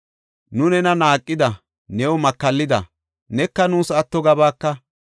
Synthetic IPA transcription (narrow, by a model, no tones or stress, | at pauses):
nʊnɛnɐnaːkʼːɪd̪ɐ | nɛwɔmɐkːɐlːɪd̪ɐ̰ | nɛkːɐnuːsɐt̪ːɔɡɐbaːkːɐ